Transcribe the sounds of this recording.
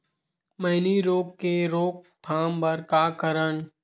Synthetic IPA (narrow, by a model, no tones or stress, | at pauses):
mɐɪniɾoːkkeɾoːk̚t̪ʰaːmbɐɾkakəɾəɳ